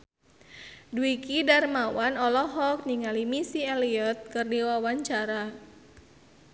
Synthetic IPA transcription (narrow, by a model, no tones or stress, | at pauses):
duikidarmawanɔlɔɦɔk̚niŋalimisiɛliɔt̪̚kɨrdiwawaɲt͡ʃaɾa